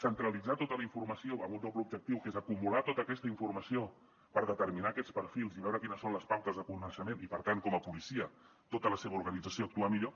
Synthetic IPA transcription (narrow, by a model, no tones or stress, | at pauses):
sənt̪ɾəlid͡zat̪ot̪ələiɱfurməsioəmut̪oplubʒək̚t̪iwkezəkumulat̪ot̪əːkɛst̪əiɱfurməsio | pəɾðət̪əɾminaːkɛt͡spəɾfilˠziβɛwɾəkinəsːonləspawt̪əzðəkunəʃəmenipəɾt̪aŋkɔməpulisiə | t̪ot̪ələseβəuɾɣənid͡zəsioːk̚t̪uamiʎo